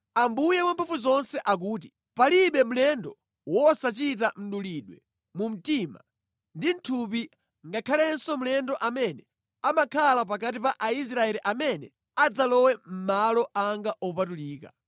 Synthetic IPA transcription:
ambujɛwampʰufuzɔnsɛʔak̬uːti̥ | paliɓɛmulɛndɔ | wɔsat͡ʃit̬am̩ɗuliɗwɛ | mum̩tima̰ | ndin̩tʰupi | ŋɡakʰalɛnsɔmulɛndɔʔamɛnɛ | amakʰalap̬akat̬ipaʔais̬ɾaɛliʔamɛnɛ̰ | ad͡zalɔwɛm̩malɔʔaŋɡaʔɔpatuliːka̰

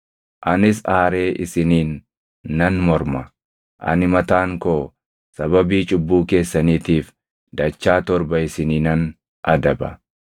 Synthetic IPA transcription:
ʔɐnɪs̬aːɾe̞ːʔɪsɪniːnː | ɐnmɔɾmɐ | ʔɐ̰nɪmɐt̪aːŋkoː | sɐbɐbiːt͡ʃʼʊbːuːke̞ːsːɐniːt̪iːf | d̪ɐt͡ʃːaːt̪ɔɾbɐɪsɪniːnɐn | ʔɐd̪ɐbɐ̰

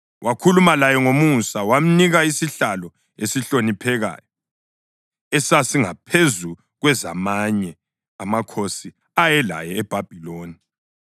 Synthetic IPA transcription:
wʔakʰulumalajɛŋomusawam̩niɣaisiɬalɔ | esiɬonipʰɛɣa̰ːjɔ | ɛsasiŋapʰezu | ɣwɛza̰maɲɛ | amakʰosi | ajɛla̰jɛːb̥ʱab̥ʱiloːni

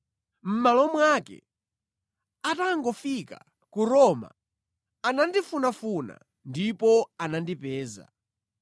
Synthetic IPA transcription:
m̩malɔmwakɛ̰ | ataŋɡɔfika | kuɾɔma̰ | anandifunafuna̰ | ndipɔanandipɛːza̰

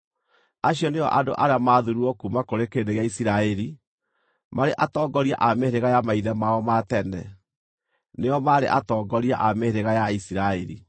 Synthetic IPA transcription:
aɕiɔneɔ̰ʔado̰ʔaɾeamaðuɾuɔkumakoɾekedeɣaisiɾaɛɾi | maɾeʔatɔːɡɔɾiaʔameɾeɣajamaiðɛmaɔmatɛnɛ | neɔmaɾḛʔatɔːɡɔɾiaʔameɾeɣajaisiɾaɛɾḭ

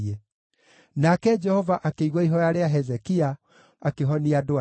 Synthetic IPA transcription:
e | nakɛd͡ʒɛhɔvaʔakeiɣwaiɦɔjaɾeaɦɛzɛkia | akeɦɔniadoa

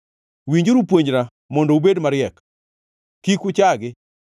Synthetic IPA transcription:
wiɲd͡ʒoɾupwoɲd͡ʒɾa | mɔndɔubedmaɾɪɛk | kikʊt͡ʃaɡɪ

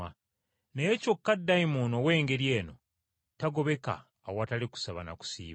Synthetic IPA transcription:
a | nejeco̞kːadːajmonowe̞ːŋɡe̞ɾjeːno̞ | taɡo̞βe̞ka̰ː | wataliku̥saβana̰ku̥sḭːβa

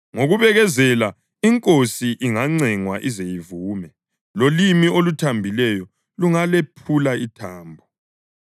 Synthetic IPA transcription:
ŋoɣuβɛɣɛzɛla | iŋkʼosiʔiŋaŋ͡ǀiŋwaʔizejivuːmɛ | lolimiolutʰambʱilɛjɔ | luŋalepʰulaitʰaːmbʱɔ

